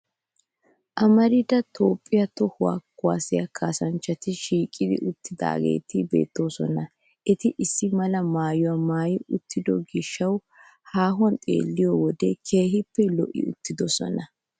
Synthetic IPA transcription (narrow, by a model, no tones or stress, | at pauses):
ʔɐmɐɾɪd̪ɐt̪ʰo̞ːpʼːɪjɐt̪ɔhʊwa̰ːkːʊa̰ːsɪjɐkʰaːsɐnt͡ʃːɐt̪ɪʃiːkʼːɪd̪ɪ̰ʔʊt̪ːɪd̪a̰ːɡḛːt̪ɪbe̞̰ːt̪ːo̞ːsɔ̰nɐ | ʔɛt̪ɪʔɪsːɪmɐlɐmaːjɔwɐmaːjɪʔʊt̪ʰːɪd̪ɔɡɪʃːɐw | haːɦwɐnt̪ʼḛːlːɪjɔwɔd̪ɛkʰe̞ːɦɪpːɛlɔ̰ʔːɪ̰ʊt̪ːɪd̪ɔsɔ̰nɐ